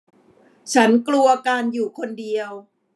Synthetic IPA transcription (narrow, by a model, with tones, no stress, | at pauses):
t͡ɕʰa˦˥nklu˧ɐkaː˧njuː˨˩kʰo˧ndi˧əw